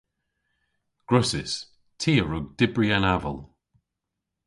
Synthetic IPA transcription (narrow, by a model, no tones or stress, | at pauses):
ɡ̥ɹʊsɪs | tʰiːəɹʊɡ̚dɪbɹianavə̰lˠ